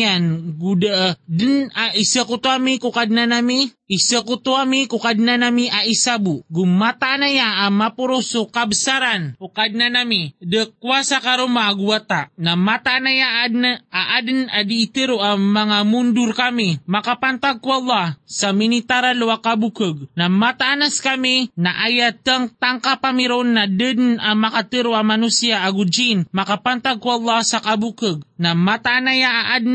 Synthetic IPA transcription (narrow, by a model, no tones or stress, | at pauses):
anɡudəʔədənaisəkut̪uamikukadənanami | isəkut̪uamikukadənanamiaisabuɡumat̪aːnajaːmapuɾusukabəsaɾankukadnanamidəkuasakaɾumaːɡuat̪anamat̪aːnajaadnəaʔad̪nadiːt̪əɾoʔamaŋamundʊɾkamimakapant̪aɡ̚kuɑlˠːɑhsaminit̪aɾaluakabukəɡ̚namat̪aʔanaskaminaʔajat̪aŋt̪aŋkapamiɾonːadəd̪namakat̪ɨɾoamanusiaʔːɡud͡ʒinmakapant̪aɡ̚kuɑlˠˤːɑhsakabukəɡ̚namat̪aʔanajaʔaʔad̪